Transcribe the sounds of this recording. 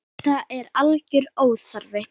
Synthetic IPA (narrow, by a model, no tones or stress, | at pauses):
θaɛɾalcʏɾoːwθaɾvɪ